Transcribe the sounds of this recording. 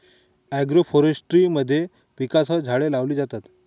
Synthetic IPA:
æɡɾofoɾesʈɾiːməd̪ʱːje | ʋikasɦəd͡zʱaɭelaʋliːd͡zat̪at̪

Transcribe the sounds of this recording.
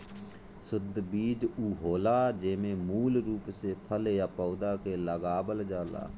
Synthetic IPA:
sʊd̪ʱbiːd͡ʒuːɦoːlaːd͡ʒeːmẽːmuːlɾuːpseːpʰəljaːpɔːd̪aːkeːləɡaːbəld͡ʒaːla̰ː

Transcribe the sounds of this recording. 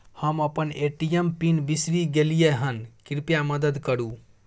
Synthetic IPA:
həməpəneʈijempinbisɾiɡelijeɦənkiɾpjaməd̪əd̪kəɾu

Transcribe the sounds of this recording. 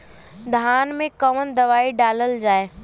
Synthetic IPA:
d̪ʱaːnmẽkɐmənd̪ɐʋaːiɖaːləld͡ʑaːe

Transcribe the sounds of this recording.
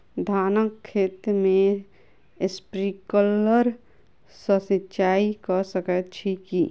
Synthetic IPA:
d̪ʱaːnəkʰːeːt̪mẽ | ɪspɾiːkələɾ | səsɪt͡ʃaːikasəkət͡ʃʰiki

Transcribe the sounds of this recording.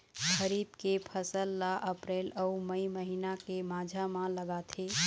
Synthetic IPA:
kəɾiːbkepʰəsəlːaʔəpɾeːləuməiməɦinakemad͡ʒʱamãləɡat̪ʰe

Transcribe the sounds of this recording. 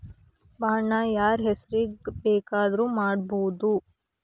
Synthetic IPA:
baːɳaːjaːɾɦesɐɾibeːkaːd̪ɐɾumaːɽboːd̪u

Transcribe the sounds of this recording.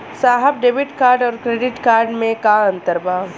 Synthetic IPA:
saːɦəb̚ɖeːbɪʈkaːɾɖɔːɾkɾeːɖɪʈkaːɾɖmẽkaɐ̃nt̪əɾbaː

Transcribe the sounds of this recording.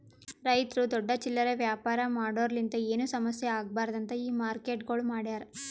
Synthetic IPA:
ɾɐjt̪ɾud̪ɔɖːɐt͡ʃilːɐɾeʋjaːpaːɾɐmaːɽoːɾɐlint̪ɐe̞ːnusɐmɐsjɐaːɡɐbaːɾɐd̪ɐnt̪ɐiːmaːɾkeːʈɡo̞ːɭmaːɽjaːɾɐ

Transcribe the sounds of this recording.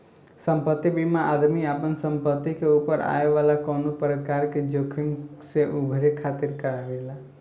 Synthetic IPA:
sə̃mpət̪ːibʱimãʔad̪miapənsə̃mpət̪ːikeupəɾa̰eʋalakɔnupəɾət̪kaɾked͡ʒokʰinseʔubʱəɾekʰat̪iɾkəɾaʋela

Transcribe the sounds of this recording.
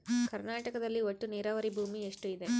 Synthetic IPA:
kɐɾnaːʈɐkɐd̪ɐlːioʈːuniːɾaːʋɐɾibʱuːmieʂʈuid̪e

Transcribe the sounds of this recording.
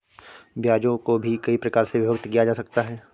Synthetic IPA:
bjaːd͡ʒõkobʱikɐipɾɐkaːɾseʋɪbəkt̪kijad͡ʒaːsɐk̚t̪aɦɛː

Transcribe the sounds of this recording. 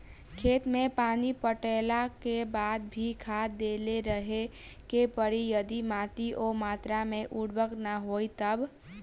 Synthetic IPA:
kʰet̪mepanipəʈelakebad̪̚bʱikʰad̪eleɾəɦekepəɾijəd̪imat̪iʔomat̪ɾameʔuɽbʱəknəɦojt̪əb

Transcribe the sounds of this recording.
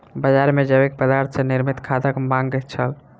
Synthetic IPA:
bəd͡ʒaɾmed͡ʒəbek̚pəd̪aɾt̪ʰseniɾmit̪kʰad̪əkmãŋɡt͡ʃʰəl

